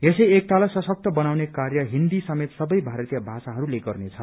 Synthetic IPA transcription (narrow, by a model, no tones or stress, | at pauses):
esʌjek̚t̪alasʌsʌk̚t̪ʌbʌnawnekarjʌɦind̪isʌmet̪sʌbʌjbʱaɾʌt̪ijʌbʱasaɦʌɾuleɡʌrnet͡sʰʌ